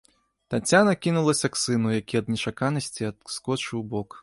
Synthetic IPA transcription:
t̪at͡sʲanɐkʲinulˠɐsʲɐksɨnujakʲiɐd̪̚nʲɛt͡ʂakanɐsʲt͡sʲiɐskɔt͡ʂɨwbɔk

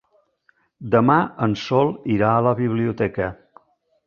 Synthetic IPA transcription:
d̪əmaənsɔlˠiɾaələβiβliut̪ɛkə

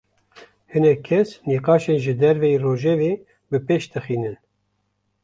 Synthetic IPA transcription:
hɨnɛkʰːɛsniqɑːʃeːnʒɨd̪ɛɾvɛjeroːʒɛveː | bɨpeːʃt̪ʰɨxiːnɨn

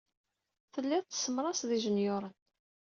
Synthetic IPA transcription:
θəlːɪðt͡s̪ːə̥səmɾˤɑsðiʒənjʊɾˤən

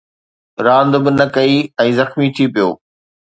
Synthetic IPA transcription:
ɾãːnd̪bɪnɐkɐiɛ̃ːzɐxmit̪ʰipijoː

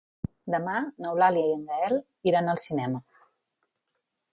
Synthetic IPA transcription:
d̪əmanəwlaljəiənd̪aɛl | iɾanəlˠsinɛmə

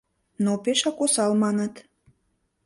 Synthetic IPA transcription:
nopeʃɑkosɑlmɑnət̪

